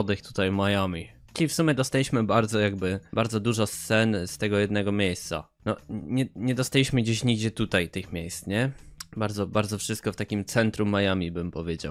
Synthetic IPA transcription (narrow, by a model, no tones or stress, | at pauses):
d̪ɘxt̪u̥t̪ajmajamʲi | t͡ʂɘlʲifsumʲjɛd̪ɔst̪alʲiɕmɘbaɾd̪zɔjaɡbɘbaɾd̪zɔd̪uʐɔst̪sɛnst̪ɛɡɔjɛd̪nɛɡɔmʲjejst̪sa̰ | nɔɲɛɲɛd̪ɔst̪alʲiɕmɘɡd͡ʑeɕɲiɡd͡ʑɛt̪ut̪ajt̪ɘxmʲejst̪ɲɛbaɾd̪ɔbaɾd̪zɔfʂɘst̪̚kɔft̪akʲimt̪sɛnt̪ɾumːajamʲibɘmpɔvʲjed͡ʑa̰w